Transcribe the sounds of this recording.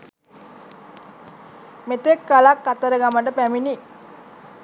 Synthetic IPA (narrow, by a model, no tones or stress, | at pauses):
met̪ekːalakːat̪əɾəɡaməʈəpæmini